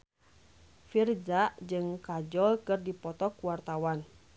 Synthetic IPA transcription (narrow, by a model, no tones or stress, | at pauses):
fird͡ʒaʔd͡ʒɨŋkad͡ʒɔlkɨrdipɔt̪ɔkuwart̪awan